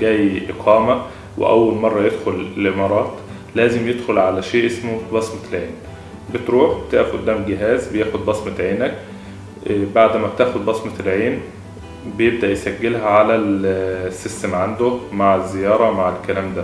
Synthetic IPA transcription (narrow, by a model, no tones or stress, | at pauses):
ɡæːjʔeqʰɑːmæ | wʔḛʔæ̰wːælmɑrˤːɑjed̪xolelʔemɑːɾˤɑːt̪ | læːzɪmjed̪xolʕalæʃeːʔesmobɑsmɑlʕeːn | bet̪ɾuːħbt̪eʔæfʔʊ̰d̪ːæːmɡɪɦæːzbejæːxod̪̚bɑsmɑʕeːnæk̚ | baʕd̪mæb̚t̪æːxod̪̚bɑsmɑlʕeːn | bejeb̚d̪æʔjsæɡːelɦæʕalælsːist̪æmʕand̪omaʕezːejɑːɾˤɑmaʕelkːælæːmd̪æ